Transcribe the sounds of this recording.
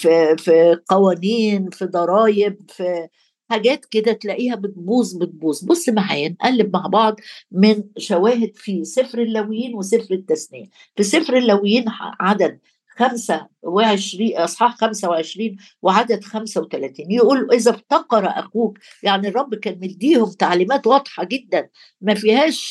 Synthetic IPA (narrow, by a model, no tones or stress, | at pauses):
fifiqɑwæːniːnfid̪ˤɑɾˤɑːjeb̚fi | ħaɡæːt̪ked̪æt̪læʔiːhæbet̪̚buːzˤbet̪̚buːzˤbosˤːmaʕa̰ːjænʔælːeb̚maʕbɑʕd̪ˤmɪnʃæwæːɦed̪fisefɾelːæwɪjːiːnwesefɾet̪ːæsnɪjæ | fisefɾelːæwejːiːnʕad̪æd̪̚ | xæmsæweʕeʃɾiːʔɑsˤħɑːħxæmsæweʕeʃɾiːn | weʕad̪æd̪xæmsæwet̪ælæt̪iːnjeʔuːlːʔezæbt̪ɑqːɑɾˤɑʔæ̰xuːk | jaʕnirˤːɑbːkæːnmeld̪iːhomt̪aʕliːmæːt̪wɑd̪̥ˤħɑɡed̪ːæn | mæfiːhæːʃ